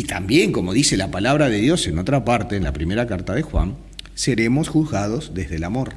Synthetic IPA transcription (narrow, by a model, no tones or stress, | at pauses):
it̪ambje̞ŋko̞mo̞ðise̞lapalaβ̞ɾaðeð̞jo̞seno̞t̪ɾapaɾt̪eːnlapɾime̞ɾakaɾt̪aðexwa̰n | seɾe̞mo̞sxuðɣað̞o̞zðezðelamo̞ɾ